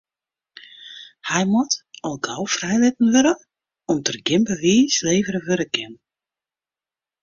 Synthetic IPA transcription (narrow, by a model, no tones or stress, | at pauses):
hɛjmɔtɔlˠɡawfrɛjlɪt̚n̩ʋøɾə | ɔmtərɡɪmbəʋiːsleːvəɾəʋøɾəkʰɪn